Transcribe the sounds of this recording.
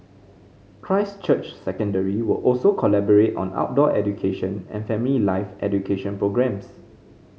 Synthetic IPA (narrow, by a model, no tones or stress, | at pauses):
kʰɹaɪst͡ʃət͡ʃsɛkə̃ndəɹiwəlʔɔlsokʰɔlɛbɔɹetɔ̰̃na̰ʊt̚dɔʔɛdukʰeʃə̃nɛ̰̃nfɛ̃mililaɪfʔɛdukʰeʃə̃npɹoɡɹɛ̃ms